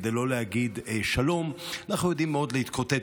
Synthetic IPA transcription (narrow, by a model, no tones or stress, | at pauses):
d̪ejlo̞leaɡid̪ʃalo̞manaχnujo̞d̪imːeo̞d̪leit̪kʰot̪e